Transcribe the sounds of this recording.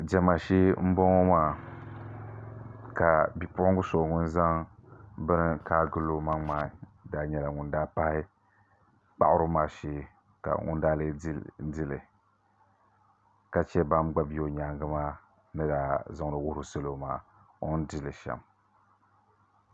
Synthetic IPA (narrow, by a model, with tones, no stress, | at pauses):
d͡ʒɛ˦ma˨ʃeː˦m̩˦bɔ˦ŋo˦maː˦ | ka˨bi˨pʊ˦ʊ˦ŋ˦ɡʊ˦so˨ŋʊ˦nza˦ŋbɨ˦nɨ˦kaː˦ɡɨ˦lo˦ma˦ŋmaː˨˦daː˨ɲɛ˨la˨ŋʊ˨ndaː˦pa˦hɪ˦ | k͡pa̰˦ʔʊ˦ɾʊ˦maː˦˨ʃe˦ | ka̰˨ŋʊ̰˦n˦daː˦le˦di˦lɨ̰˨ | ka˨t͡ʃɛ˦ba˦mɡ͡ba˦bi˦o˨ɲaː˨ŋɡɨ˦maː˦ | nɨ˦daː˨zɨ˦ŋ˨ɾɨ˨wʊ˦hɾɨ˨sɨ˦lo˦maː˦ | o˦n˦di˦lɨ˨ʃɛ̰˨m